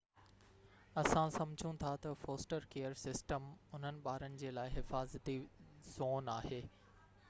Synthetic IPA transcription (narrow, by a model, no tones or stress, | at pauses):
ɐsãsɐ̃md͡ʑʱũt̪ʰat̪ɐfoːsʈəɾkeːəɾsɪsʈəmʊn̤ənɪ̆ɓaːɾənɪ̆d͡ʑeːlaːɪɦɪfaːzt̪iz̥oːnaːɦeː